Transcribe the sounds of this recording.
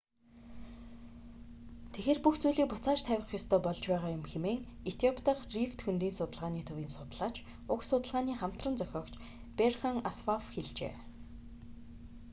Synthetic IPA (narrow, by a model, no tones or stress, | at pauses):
t̪ʰexeːrpuxt͡sujɮiːk̚pʊt͡saːt͡ɕt̪ʰæwʲɪ̆χjɔst̪ʰœːpɔɮt͡ɕpæːʁaːjʊmxemeːŋ | et̪ʰijɔpʰt̪ə̆χrift̪xɵnt̪iːnsʊt̪ə̆ɮʁaːniːt̪ʰɵwiːnsʊt̪̆ɮaːt͡ɕ | ʊksʊt̪ə̆ɮʁaːniːχam̥t̪rə̆nt͡sœxʲɔːkt͡ɕ | perχə̆ŋaswafxeɮt͡ɕḛː